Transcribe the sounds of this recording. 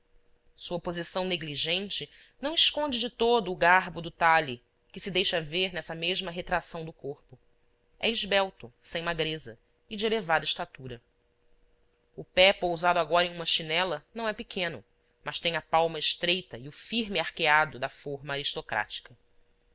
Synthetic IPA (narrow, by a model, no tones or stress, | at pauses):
suɐpozisɐ̃w̃neɡliʒẽnt͡ʃɪ | nɐ̃w̃ɪʃkõnd͡ʒɪd͡ʒɪt̪od̪ʊːɡaɦbʊd̪ʊt̪ali | kɪsɪd̪ejʃɐveɾnɛsɐmeʒmɐɦet̪ɾasɐ̃w̃d̪ʊkoɾpʊ | ɛ̰ɪʒbɛwt̪ʊsẽj̃maɡɾezɐ | ɪd͡ʒɪelevad̪ɐɪʃt̪at̪uɾɐ | ʊpɛpowzad̪ʊaɡɔɾɐẽj̃ũmɐʃinɛlɐnɐ̃w̃ɛpɪkʰẽnʊ̰ | mɐʃt̪ẽj̃ɲ̃ɐpawmɐɪʃt̪ɾejt̪ɐɪʊfiɾmɪaɾkead̪ʊd̪ɐfoɾmɐaɾiʃt̪okɾʔa̰t͡ʃi̥kɐ